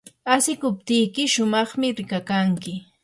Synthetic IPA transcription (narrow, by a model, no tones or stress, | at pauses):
asɪkʊp̚t̪ɪjkɪʃʊmɑχmɪɾɪkakaŋkɪ